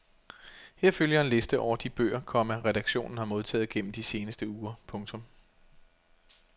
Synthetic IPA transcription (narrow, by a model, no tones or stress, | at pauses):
heɐ̰føljɑ̈e̝nle̝sd̥əʔɒʊ̰ɐd̥ib̥ø̰ːɐkʰɒ̽mæʁɛɾ̥ɑ̈ɡ̥ɕo̝̰ːnn̩hɑ̈mo̝ð̞ˠt͡sʰɛ̰ːð̩ˠɡ̥en̰m̩d̥ise̝ːnəsd̥əuːɐpʰɔ̽ŋt͡sʰɔ̽m